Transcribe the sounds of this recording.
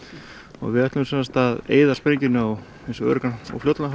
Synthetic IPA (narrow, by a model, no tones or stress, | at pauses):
ɔ̰ɣvɪɛht̪lʏmsɛnst̪aðḛːjðḁspɾeɲcɪnʏaw | ẽnsɔœ̰ːɾʏkanɔ̰wflowt̪la